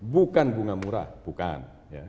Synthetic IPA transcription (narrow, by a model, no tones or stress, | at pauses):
bukanbuŋamuɾa̰b̥uka̰n | ja̰